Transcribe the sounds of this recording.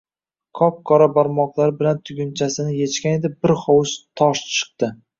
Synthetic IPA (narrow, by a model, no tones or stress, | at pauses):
kʰɒp̚kʰɒɾabaɾmɒqlˠaɾɪbɪlant̪ʰʊɡʲʊnt͡ʃʰasɪnɪje̞t͡ʃkʲane̞d̪ɪbɪɾχɒwʊʃt̪ʰɒʃt͡ʃʰɨ̥q̚t̪ɪ